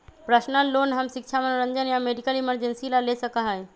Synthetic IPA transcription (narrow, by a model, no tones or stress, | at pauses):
pɾəsnəlːonɦəmsik̚t͡ʃʰamənɾənd͡ʒənjameɖikəliməɾd͡ʒensilalesəkəɦəj